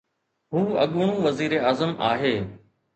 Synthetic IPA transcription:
ɦuːə̰ɠɳ̃ũːʋəziːɾeaːzəma̰ːɦeː

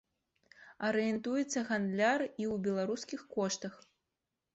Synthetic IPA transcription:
ɐɾɨjɛnt̪ujɛt̪sːɐɣand̪lʲariwbʲɛlˠaɾuskʲixkɔʂt̪ɐx

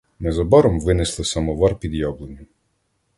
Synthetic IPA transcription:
nɛzɔbɔɾɔmʋɪnɪslˠɪsɐmɔʋɑrpʲid̪jɔblˠenʲi

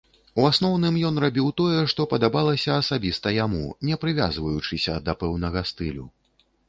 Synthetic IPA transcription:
uasnɔwnɨmjɔn̪rabʲiwt̪ɔjɛʂt̪ɔpɐd̪abalˠɐsʲɐːsabʲist̪ɐjamṵnʲɛpɾɨvʲa̰zvɐjut͡ʂɨsʲɐd̪ɐpɛwn̪ɐɣɐst̪ɨlʲu

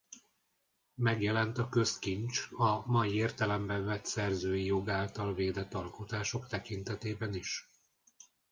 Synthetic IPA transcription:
mɛɡjɛlɛnt̪ɒkø̞skint͡ʃɒmɒjieːrt̪ɛlɛmbɛɱvɛt̪sɛrzøːjijo̞ɡaːlt̪ɒlveːd̪ɛt̪ːɒlko̞t̪aːʃo̞kt̪ɛkint̪ɛt̪eːbɛniʃ

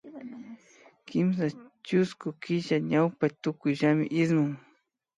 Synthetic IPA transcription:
kɪms̬at͡ʃʊskʊkɪʃaɲawpat̪ʊkʊjʒamɪʔɪsmʊŋ

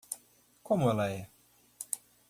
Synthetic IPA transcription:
kʰɔmalaj

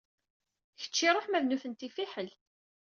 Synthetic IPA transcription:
çə̥t͡ʃːiɾˤoħmæðnuθənt̪ifiħəl

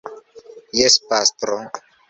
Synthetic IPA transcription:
jɛspast̪ɾɔŋ

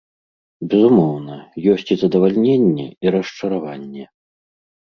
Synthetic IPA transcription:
bʲɛzumɔwnɐjɔsʲt͡sʲizɐd̪ɐvalʲnʲenʲːɛ̰iɾɐʂt͡ʂɐɾavanʲːɛ

